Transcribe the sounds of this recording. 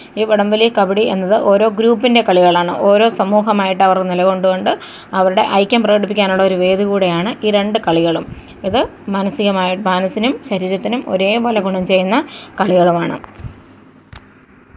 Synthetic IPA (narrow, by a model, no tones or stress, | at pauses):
iːʋɐɽɐmʋɐlikɐbiɽiʔe̞̰nːɐðɨʔo̞ːɾo̞ːɡɾuːpːinde̞kɐɭiɣɐɭaːɳɨ̰ʔo̞ːɾo̞ːsɐmuːɦɐmaːjiʈːɐʋɐrnilɐɣo̞ɳɖuɣo̞ɳɖɨ | ɐʋɐɾuɽe̞̰ʔɐjkʲːɐmprɐɣɐɽip̬ːikʲːaːnuɭːɐoɾuʋe̞ːðukuːɽejaːɳɨʔiːɾe̞ɳɖɨkɐɭiɣɐɭum | iðɨmɐnɐsiɣɐmaːjiʈːɨmaːnɐsinumɕɐɾiːɾɐt̪ːinumo̞̰ɾe̞ːpolɐɡuɳɐmt͡ɕe̞jːunːɐkɐɭiɣɐɭumaːɳɨ̰